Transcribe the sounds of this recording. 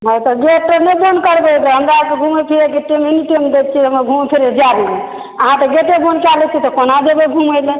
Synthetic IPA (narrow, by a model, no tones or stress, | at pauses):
ɦət̪ɔɡeʈənebonkəɾbelɔɦəmɾakeɡʱumepʰiɾekeʈimeniʈimd̪et̪̚t͡ʃʰiɦəmɾaɡʱumepʰiɾed͡ʒaɾee | əɦãt̪ɔɡeʈebonkalet͡ʃʰit̪ɔkonad̪ebeɡʱuməjle